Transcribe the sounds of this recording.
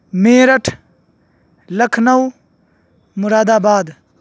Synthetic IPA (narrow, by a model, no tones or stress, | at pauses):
meːɾɐʈʰ | lɐkʰnɐw | mʊɾaːd̪aːbaːd̪